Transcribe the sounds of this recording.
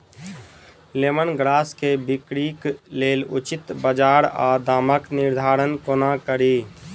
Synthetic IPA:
leːmənɡɾaːskebɪkɾikleːlʊt͡ʃɪt̪bəd͡ʒaːɾad̪aːməknɪɾd̪ʱaːɾənkonakəɾiː

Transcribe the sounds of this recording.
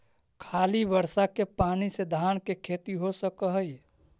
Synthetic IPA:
kʰaːlibəɾsakepaːnised̪ʱaːnkekʰeːt̪iɦosəkəɦəj

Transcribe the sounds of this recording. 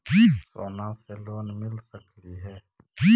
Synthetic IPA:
biso̰ːnãseloːnmɪlsəkliɦɛː | pi

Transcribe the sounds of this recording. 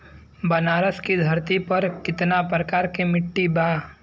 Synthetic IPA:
bɐnaːɾəskid̪ʱɐɾt̪ipɐɾkɪt̪napɾɐkaːɾkemɪʈːibaː

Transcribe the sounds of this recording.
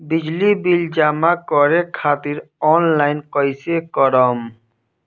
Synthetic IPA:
bid͡ʒlibild͡ʒamakɔɾekʰat̪iɾɔnlajnkɔjsekɔɾɔm

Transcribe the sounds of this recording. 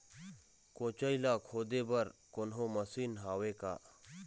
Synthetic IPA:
kõːt͡ʃəilaːkʰoːd̪eːbɐɾkonɦõːmɐsiːnɦaːweːka̰ː

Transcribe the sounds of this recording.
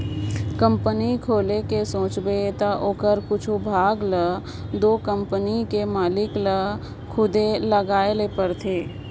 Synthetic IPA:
kə̃mpənikʰoːlekesõːt͡ʃbet̪aʔoːkəɾkʊt͡ʃʰubʱaːɡlə | d̪oːkə̃mpənikemaːlɪklə | kʰʊd̪eləɡaːelepəɾt̪ʰeː

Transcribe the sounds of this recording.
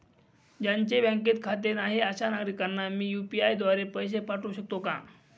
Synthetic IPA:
d͡ʑaɲt͡ɕebɛ̃ŋket̪kʰat̪enaɦeəɕanaɡɾikanːamiːjupiajd̪ʋaɾepəjs̬epaʈũːɕək̚t̪okã̰

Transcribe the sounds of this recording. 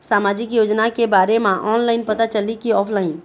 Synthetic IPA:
saːmaːd͡ʒɪkjoːd͡ʒnakebaːɾemãʔɔːnlaːɪnpɐt̪at͡ʃəlikiɔːpʰlaːɪn

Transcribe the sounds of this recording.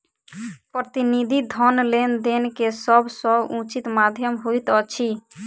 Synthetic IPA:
pɾət̪inid̪ʱid̪ʱɔnlend̪enkesɔbsɔbũt͡ʃit̪mad̪ʱjəmɦujt̪ɔt͡ʃʰi

